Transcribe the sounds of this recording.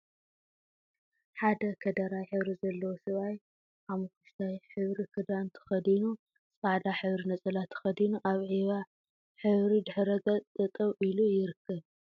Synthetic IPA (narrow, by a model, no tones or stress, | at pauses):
ħad̪ɐkʰɐd̪ɐɾajħɨβɾizɐlːɐwosɨβaj | ʔamɨkʰuʃt̪ʰajħɨβɾikʰɨd̪ant̪ʰɨ̥xɐd̪inu | sʼaʕd̪aħɨβɾinɐt͡sʼɐlat̪ʰɨ̥xɐd̪inuʔaβʕiβa | ħɨβɾid̪ɨħɾɐɡɐt͡sʼt̪ʼɨt̪ʼɐβʔilujɪɾɨkʰːɐβ